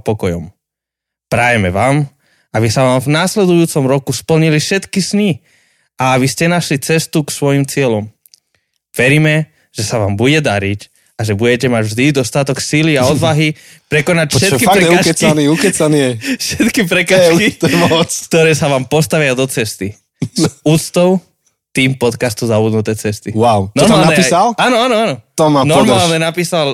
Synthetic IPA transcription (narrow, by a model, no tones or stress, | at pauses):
pɔkɔjɔm | pɾajɛmɛʋaːm | abisaʋaːmvnaːslɛd̪ujuːt͡sɔmɾɔkuspl̩ɲilifʃɛt̪kisni | aabiscɛnaʃlit͡sɛst̪uksʋɔjimt͡sɪɛlɔm | ʋɛɾimɛ | ʒ̥ɛsaʋaːmbuɟɛd̪aɾic | aʒɛbuɟɛcɛmaɟvʒd̪id̪ɔst̪at̪ɔksiliaɔd̪ʋaɦi | pɾɛkɔnacfʃɛt̪kifaɾɛɛkːkɛkt͡saniukɛt͡saniɛfʃɛt̪kipɾɛkaːʃkit̪ɔɛmɔt͡skt̪ɔɾɛːsaʋaːmpɔst̪aʋɪad̪ɔt͡sɛst̪i | zuːt͡st̪ɔʊ | t̪iːmpɔt̪kast̪uzabud̪nut̪ɛːt͡sɛst̪iwaʊnɔɾmmaːlaɲɛisalaːnɔanɔanɔt̪ɔmanɔɾmaːlɲɛnapiːsal